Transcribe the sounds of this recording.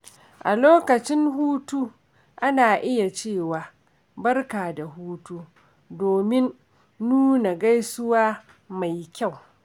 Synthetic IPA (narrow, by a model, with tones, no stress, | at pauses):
ʔa˨loː˦kɐ˨t͡ʃɪ˦ŋɦuː˦tuː˦ | ʔa˦naː˨ʔɪ˦ja˨t͡ʃeː˦˨waː˨ | bɐ˦rkaː˨da˨huː˦tuː˦ | doː˨mɪ˦nː | uː˦na˨ɡa˦jsʊ˦waː˦ | ma˨jkʲa˦˨w